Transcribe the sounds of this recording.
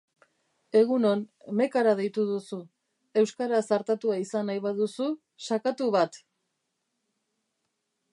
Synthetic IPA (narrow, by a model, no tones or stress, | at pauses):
e̞ɣuno̞nme̞kaɾað̞e̞jt̪uðusu | e̞wskaɾasaɾt̪at̪uaisanːajβaðusu | sakat̪uβat̪